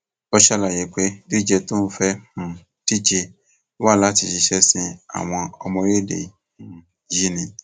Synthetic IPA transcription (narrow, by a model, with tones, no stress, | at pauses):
ɔ˧ʃɛ˧la˨je˨k͡pe˦di˦˨d͡ʒɛ˧to˦n̩˧fɛ˦mũ˨ | ti˦d͡ʒe˧˦ | wa˦˨la˨˦ti˧˨ʃi˧ʃɛ˦sĩ˧a̰˨w̃ɔ̃˧ɔ˧mɔ̃˧ɾe˦dḛ˨ | ũ˨˦ | ji˦nĩ˨